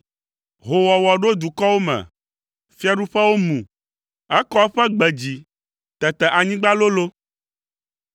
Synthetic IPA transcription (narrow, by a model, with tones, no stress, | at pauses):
ɦo˨wɔ˨wɔ˨ɖo˦d̪u˨kɔ˦wo˦mɛ̰̃˨ | fi˦a˨ɖu˦ɸɛ˦wo˦mũ˨ | ɛ˦kɔ˦ɸɛ˦ɡ͡bɛ˨d͡ʑi˨ | t̪ɛ˨t̪ɛ˨ʔa˨ɲĩ˦ɡ͡ba˦lo˦lo˦